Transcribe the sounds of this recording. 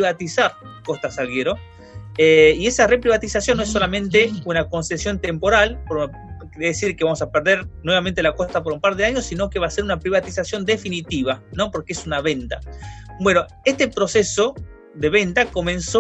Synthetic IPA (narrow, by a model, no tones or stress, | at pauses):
iβat̪isaɾko̞st̪asalɣeɾo̞ | eie̞sarepɾiβat̪isasjonːoesːo̞lamẽ̞nt̪eunako̞nsesjo̞nt̪empo̞ɾalpoɾ | eðesiɾkeβamo̞sapeɾðeɾnweβament̪e̞lako̞st̪ap̬oɾumpaɾðeaɲo̞sːino̞keβase̞ɾunapɾiβat̪isasjo̞nd̪efinit̪iβano̞po̞ɾkeesunaβe̞nt̪abwe̞no̞ | e̞st̪epɾo̞se̞so̞ | ðe̞βe̞nt̪ako̞mẽ̞nso